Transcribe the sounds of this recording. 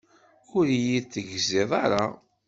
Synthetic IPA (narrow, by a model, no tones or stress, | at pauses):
ʊɾjiθəʝziðˤɑɾˤa